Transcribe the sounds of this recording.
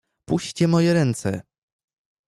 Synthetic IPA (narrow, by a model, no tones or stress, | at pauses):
puɕt͡ɕɛmɔjɛɾɛnt̪sɛ̰